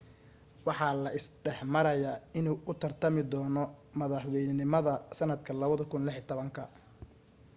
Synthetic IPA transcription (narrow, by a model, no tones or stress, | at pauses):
wɑħɑːlɐʔɪsɖɛħmɐɾɐjaːɪnuːʔʊt̪ʰɐrt̪ʰɐmɪd̪ɔːnɔmɐðɑħwɛjnɪnɪmɐðɐsɐnɐd̪kʰɐlɐβɐðɐkʰʊnlɪħit̪ʰɔβɐŋkʰɐ